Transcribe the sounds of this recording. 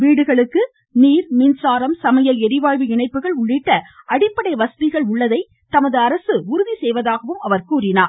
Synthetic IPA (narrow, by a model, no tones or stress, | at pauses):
ʋiːɽɯɣɐɭɯkːɯ | niːɾmiːnsaːɾɐmsɐmɐjɐlɛɾɪʋaːɻʋɯɪɳɐɪpːɯɣɐɭʊɭːɪʈːɐɐɽɪpːɐɽɐɪʋɐst̪ɪɣɐɭʊɭːɐðɐɪ | t̪ɐmɐðɯɐɾɐsɯʊɾʊðisɛjʋɐðaːɣɐʋɯmɐʋɐɾkuːɾɪnaːɾ